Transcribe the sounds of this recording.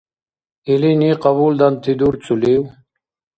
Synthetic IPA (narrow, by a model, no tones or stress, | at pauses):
iliniːqabuːld̪ɐnt̪ʰid̪uɾt͡suliw